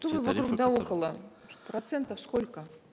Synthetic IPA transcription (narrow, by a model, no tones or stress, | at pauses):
t̪ovɨvɐkɾukd̪aokəlˠə | pɾɐt̪sɛnt̪əfskolʲkə